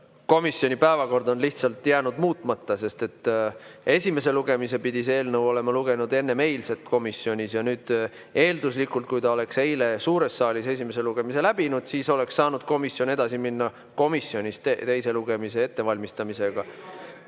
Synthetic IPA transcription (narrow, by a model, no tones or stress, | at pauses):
ko̞misjo̞nʲipæevɑko̞rd̪o̞nliht̪sɑlt̪ːˑjæːnud̪̥muːt̪ˑmɑt̪ːɑse̞st̪e̞t̪ːe̞sʲime̞s̬e̞luɡ̥e̞mis̬e̞pid̪̥is̬e̞ːlnəwo̞le̞mɑluɡ̥e̞nud̪̥e̞nːe̞me̞jlse̞t̪ko̞misjo̞nʲisjɑnyːd̪̥ | e̞ːld̪us̬likˑult̪̚kujt̪ɑo̞le̞kse̞jle̞suːɾe̞sːɑːlʲise̞s̬ʲimes̬e̞luɡ̥e̞mise̞læb̥inud̪̥siːso̞le̞ksːɑːnud̪̥̚ko̞misjo̞ne̞d̪̥ɑsiminːɑ | ko̞misːjo̞nʲist̪et̪e̞jse̞luɡ̥e̞mise̞e̞t̪ːe̞vɑlʲmist̪ɑmise̞ɡ̥ɑ